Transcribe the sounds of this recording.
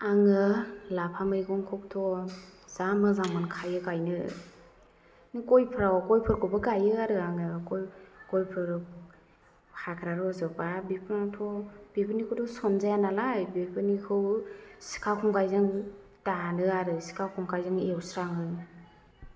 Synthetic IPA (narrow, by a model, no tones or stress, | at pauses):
aŋɯlapʰamɯɾikɔŋkʰɔk̚tʰɔzamɯzaŋmɯnkʰajɯkajnɯ̰ | nɯkɔjpʰɾawɔkɔjpʰɯɾkʰɔbɯɡajɯaɾɯaŋɯkɔjkɔjpʰɯɾ | hʰakʰɾaɾɔzɔpabipʰɯnatʰɔb̥ipʰɯnikʰɯtʰɔsɔnzajanalajbipʰɯnikʰɯwsi̥kʰawkʰɔŋkajzɯŋ | tanɯaɾɯsi̥kʰawkʰɔŋkajzɯŋewsɾaŋɯ